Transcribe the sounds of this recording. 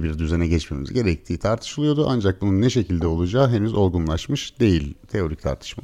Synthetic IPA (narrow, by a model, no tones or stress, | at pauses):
biɾd̪yzenɛɟɛt͡ʃmemizɟe̞ɾɛc̚t̪ʰiːt̪ʰaɾt̪ʰɯ̥ʃɯlˠɯjo̞d̪uʔa̰nd͡ʒak̚bununːɛʃe̞cʰilʲd̪ɛo̞lˠud͡ʒaːɦe̞nyzo̞ɾɡunlˠaʃmɯʃd̪e̞jilʲt̪ʰe̞o̞ɾict̪ʰa̰ɾt̪ʰɯ̥ʃma̰